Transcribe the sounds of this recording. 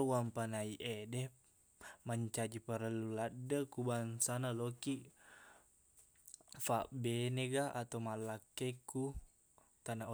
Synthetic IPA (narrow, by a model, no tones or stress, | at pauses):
wampanaiʔedɛ | maɲt͡ʃad͡ʒipəɾəluladəkubansanaloki | faʔbeneɡaat̪amalakːeku | t̪anao